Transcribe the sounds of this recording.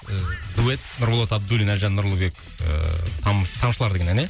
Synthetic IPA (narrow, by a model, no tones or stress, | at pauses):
d̪uet̪̚nʊɾmolˠot̪ɑb̚d̪ulʲinæʒɑnːʊɾlˠubek | t̪ʰɑmt̪ʰɑmʃəlˠɑɾd̪eɡʲenæne